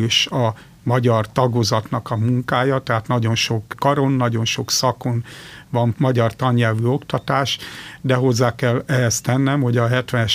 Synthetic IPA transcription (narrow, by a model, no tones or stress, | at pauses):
eːʃɒ | mɒɟɒrt̪ɒɡozɒt̪nɒkɒmuŋkaːjɒt̪ɛɦaːt̪nɒɟo̞nʃo̞kːɒɾonːɒɟo̞nʃoksɒko̞nvɒnmɒɟɒrt̪ɒɲːɛlvyo̞kt̪ɒt̪aːʃd̪ɛɦo̞zːaːkɛlːɛɦɛst̪ɛnːɛmho̞ɟɒɦɛt̪ʋɛnɛʃ